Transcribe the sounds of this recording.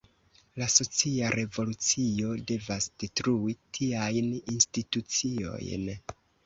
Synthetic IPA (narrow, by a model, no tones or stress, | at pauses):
laso̞t͡siaɾʔe̞vo̞lut͡sio̞de̞vasd̥etɾuitʰiajninstitut͡sio̞̰jn